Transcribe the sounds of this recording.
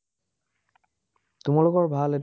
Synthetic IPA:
t̪umalokɔɹbʱalet

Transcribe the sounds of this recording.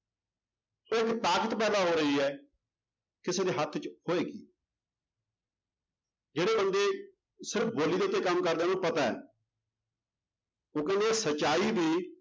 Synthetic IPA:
oːɪkt̪aːkət̪pɛːd̪aːɦoːɾəiːɛː | kɪseːd̪eːɦət̪ʰt͡ʃhoːeːɡḭː | d͡ʒeːɽeːbənd̪eː | sɪɾəpʰboːliːd̪et̪ːeːkəmːkəɾd̪eːnõːpət̪aɛ̰ː | oːkɛ̃ːnd̪eːsət͡ʃːt͡ʃːaːiːbʱiː

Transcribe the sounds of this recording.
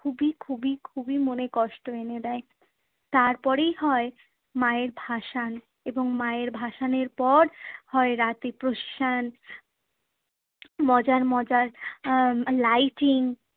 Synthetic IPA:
ubikʰubikʰubimonekɔʃʈoened̪ɛe | t̪aɾpɔɾejɦɔe | maeɾbʱaʃan | eboŋmaeɾbʱaʃaneɾpɔɾhɔeɾat̪ipɾoʃi̥ʃan | mɔd͡ʑaɾmɔd͡ʑaɾ | lajʈiŋ

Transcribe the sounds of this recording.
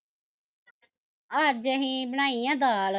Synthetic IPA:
ad͡ʒəɦĩbənaːijãːd̪aːl

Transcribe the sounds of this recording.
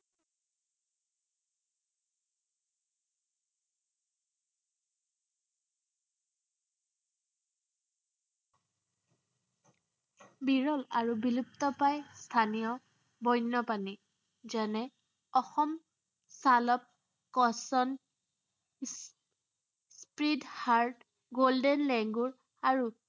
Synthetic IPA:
biɹɔlaɹubilup̚tɔpajst̪ʰanijɔ | bɔjnːɔpani | zɛnɛ | ɔxɔm | salɔp̚ | kɔsɔn | spɹidhaɹd | ɡoldɛnlɛŋɡuɹ | aɹu

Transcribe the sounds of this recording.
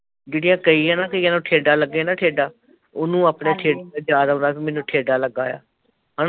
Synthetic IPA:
d͡ʒeːɽɪjãːkəiːɛ̃ːnaːkəiːãːnõːʈʰeːɖaːləɡːeːnaːʈʰeːɖaː | ʊnũːaːpɽeːʈʰeːɖaaːd͡ʒaːd̪ɦõnd̪aːsiːmɛːnːũːʈʰeːɖaːləɡaːja̰ː | ɦa

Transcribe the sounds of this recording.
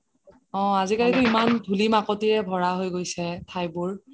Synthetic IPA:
ɔ̃azikalitʊimandʱulimakɔtijɛbʱɔɹaɦojɡojsɛtʰajbʊɹ

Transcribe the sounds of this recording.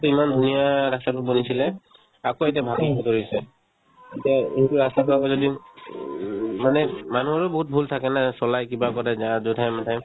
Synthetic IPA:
tuimandʱunijaɹastatʊbonisilɛ | akoetiabʱaɡɔtɔkoɹisɛ | etiaetuɹastakɔakɔzodi | manɛmanuɔɹobɔɦut̚bʱultʰakɛnasɔlajkibakɔɹɛzazotʰajmatʰaj

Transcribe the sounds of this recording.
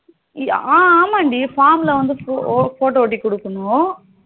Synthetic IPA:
aːaːmaːɳɖifaːɾmlɐʋɐnd̪ɯfoːʈoːʈ̬ːikɔɽɯkːɐɳʊ̃

